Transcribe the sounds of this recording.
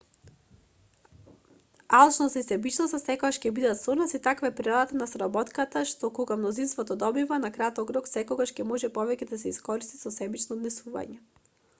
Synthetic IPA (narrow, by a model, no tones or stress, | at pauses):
alˠt͡ʃnost̪aisɛbit͡ʃnast̪asɛkoɡaʃcɛbid̪at̪sɔnasit̪akvaɛpɾɛlˠat̪anasɾabɔt̪kat̪aʃt̪ɔkɔɡamnɔzinst̪vɔt̪ɔd̪ɔbivanakɾat̪ɔkɾɔksɛkɔɡaʃcɛmɔʒɛpɔvɛcɛd̪asɛiskɔɾist̪isɔsɛbit͡ʃnɔːd̪nɛsuva̰ɲɛ